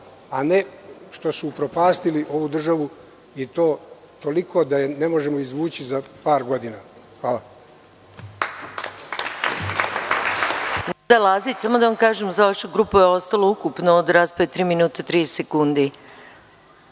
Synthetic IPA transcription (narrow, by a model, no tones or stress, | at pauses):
aneʃt̪o̞suːpɾo̞paːst̪iliʔo̞ʋud̪r̩ʒaʋu | it̪o̞ː | t̪o̞likʰo̞ːd̪ajenemo̞ʒemoizʋuːt͡ɕizapaːɾɡo̞d̪ina | xʋaːla | nd̪alˠazit͡ɕsamo̞d̪aʋamkaːʒemzaʋaʃuɡɾuːpujeo̞st̪alˠoukupnood̪ɾaːspaʋet̪ɾiːminuːt̪at̪ɾiːsekund̪i